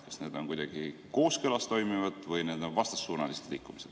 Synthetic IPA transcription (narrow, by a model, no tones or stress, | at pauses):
kɑ̥sneːd̪̥o̞nkujd̪̥ɑɡ̥iko̞ːskølɑst̪o̞jmivɑd̪̥vɤjne̞ːd̪̥o̞nvɑst̪ɑ̥sːuːnɑlise̥t̪likːˑumised̪̥